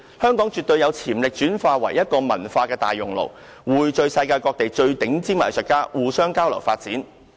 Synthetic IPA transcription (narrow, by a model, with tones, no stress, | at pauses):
hœː˥ŋkɔː˨˥ŋt͡ʃyː˨t̪̚ɵ˧ɥjɐ˨˧wt͡sʰiː˨˩mlɪ˨k̚t͡ʃyː˨˥nfaː˧wɐ˨˩jjɐ˥t̚kɔː˧mɐ̰˨˩nfaː˧kɛː˧t̪a̰ː˨jːʊ˨˩ŋlo̰˨˩w | wuː˨˩jt͡ʃɵ˧ɥsɐ˧jkaː˧jkɔː˧k̚t̪e˨jt͡ʃɵ˧ɥt̪ɪ˨˥ŋt͡siː˥ma̰ː˨˩jsœ˨˩kaː˥wuː˨sœː˥ŋkaː˥wlɐ˨˩wfaː˧t̚t͡siː˨˥n